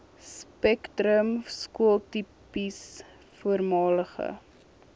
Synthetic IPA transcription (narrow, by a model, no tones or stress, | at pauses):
spɛktrəmskuəlˠtipis | fuərmɑːləχə̰